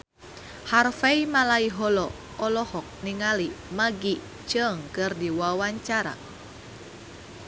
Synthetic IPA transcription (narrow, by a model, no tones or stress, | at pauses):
harfɛimalaiɦɔlɔ | ɔlɔhɔk̚niŋalimaɡi | t͡ʃəŋkɨrdiwawaɲt͡ʃaɾa̰